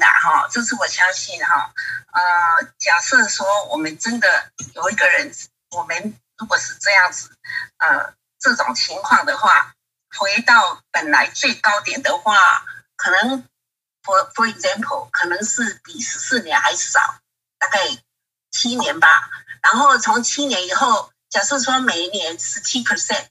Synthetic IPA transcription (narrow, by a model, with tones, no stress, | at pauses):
a̰˨˩hɔ̰˥˧ʈ͡ʂjɤ˥˧ʂ̬ɻ̩˥˩wɔ˨˩ɕjɑ˥ŋɕi˥˩nxɔ̰˥˨˩ə˧t͡ɕja˨˩sɤ˥˩swɔ˥wɔ˨˩mə˦nʈ͡ʂə˦nd̪ə˨jo˨˩ʊi˧˥ɡə˨ɻə˧˦n | wɔ˨˩mə˦n | ɻu˧˥kwɔ˨˩ʂɻ̩˥˧ʈ͡ʂɤ˥˧jɑ˥˩ŋd͡zɹ̩˨˩ʔə̰˧ | ʈ͡ʂɤ˥˩ʈ͡ʂʊ˨˩ŋt͡ɕʰi˧˥ŋkʰwɑ˥˩ŋd̪ə˩xwa̰˥˩ | xwe˧˥ɪt̪ɑ˥˩ʊpə˨˩nla˧˦˥ɪt͡swe˥˩ɪkɑ˥ʊt̪jɛ˨˩nd̪ə˨xwa˥˩kʰɤ˨˩nɤ˧˦ŋ | fɔ˧fɔ˧ɛ˧kzɛ˥mpʰə̰˨˩lkʰɤ˨˩nɤ˧˦˥ŋʂɻ̩˥˩pi˨˩ʂɻ̩˧˥sɹ̩˥˩njɛ˧˦nxa˧˥ɪʂ̩˥˩ʂɑ̰˨˩˦ʊ | t̪a˥˧ka˥˩ɪ | t͡ɕʰi˥njɛ˧˦nba˨ɻa˧˥nxo˥˩ʊt͡sʰʊ˧˦˥ŋt͡ɕʰi˥njɛ˧˥ni˨˩xo˥˩ʊ | t͡ɕjɑ˨˩ʊʂɻ̩˥˩swɔ˥me˨˩ɪnjɛ˧˦nʂɻ̩˧˥t͡ɕʰi˥pʰə˨sɛ˥˨n